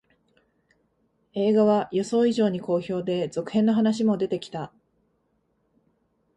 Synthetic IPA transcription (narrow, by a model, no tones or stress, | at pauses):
e̞ːɡaβajo̞so̞ːiʑo̞ːɲ̟iko̞ːço̞ːd̪e̞zo̞kɯ̟̥hẽ̞nːo̞ɦanaɕ̬imo̞d̪e̞t̪e̞kʲi̥t̪a